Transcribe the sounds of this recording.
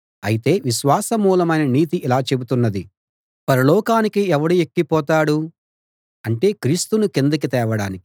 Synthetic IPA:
ɐjit̪e̞ːʋiʃʋaːsɐmuːlɐmɐjnɐniːt̪̬iʔilaːt͡ʃe̞but̪unːɐd̪i | pɐɾɐlɔːkaːnikiɛʋɐɽuekːipɔːt̪aːɽu | ɐɳʈe̞ːkɾiːst̪unukend̪uk̬it̪ɛːʋɐɽa̰ːniki̥

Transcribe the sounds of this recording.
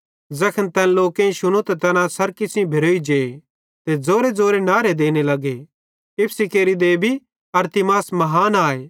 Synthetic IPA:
d͡zɐkʰənt̪ɐnloːkẽʃʊnot̪t̪ɐnãsɐɾkɪsʰɪ̃bʱɪɾoːid͡ʒeː | t̪ed͡zoːɾed͡zoːɾenaːɾed̪eːnelɐɡe | ɪpʰsikeːɾid̪eːbʱi | ɐɾt̪ɪmaːsmɐɦaːnaːeː

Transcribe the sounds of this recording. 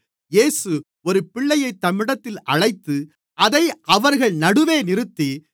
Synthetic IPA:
jeːsɯ | ɔɾɯpɪɭːɐjɐɪt̪ːɐmɪɽɐt̪ːɪlʔɐɻɐɪt̪ːɯ | ʔɐðɐɪʔɐʋɐɾɣɐɭnɐɽɯʋeːnɪɾɯt̪ːi

